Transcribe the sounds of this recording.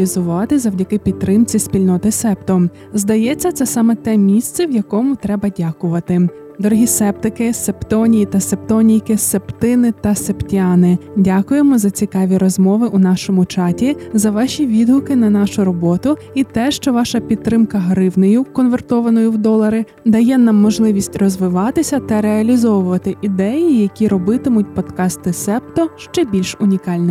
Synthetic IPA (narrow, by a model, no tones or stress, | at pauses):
lʲizʊʋɑt̪ɪzɐwdʲɐkɪpʲidt̪̚ːɾɪmt͡sʲisʲpʲilʲnɔt̪ɪsɛpt̪ɔ | zd̪ɐjɛt͡sʲːɐt̪sɛsɑmɛt̪ɛmʲisʲt̪sɛwjɐkɔmʊt̪ɾɛbɐdʲakʊʋɐt̪ɪ | d̪ɔɾɔɦʲisɛp̚t̪ɪkɪsept̪ɔnʲijit̪ɐsept̪ɔnʲijkɪsept̪ɪnɪt̪ɐseptʲɑnɪdʲakʊjemɔzɐt͡sʲikɑʋʲiɾɔzmɔʋɪʔunɑʃɔmʊt͡ʃɑtʲizɐʋɑʃʲiʋʲid̪ɦʊkɪnɐnɑʃʊɾɔbɔt̪ʊ | it̪ɛʃt͡ʃɔʋɑʃɐpʲid̪t̪ːɾɪmkɐɦɾɪwnɔjʊkɔnʋert̪ɔʋɐnɔjʊwd̪ɔlˠɐɾɪ | d̪ɐjɛnɑmːɔʒlˠɪʋʲisʲtʲrɔzʋɪʋɑt̪ɪsʲɐt̪ɐɾeɐlʲizɔʋʊʋɐt̪ɪʔid̪ɛjijɐkʲiɾɔbɪt̪ɪmʊt̚ʲpɔd̪kɑst̪ɪsɛp̚t̪ɔʃt͡ʃɛbʲilʲʃʊnʲikɑlʲnɛ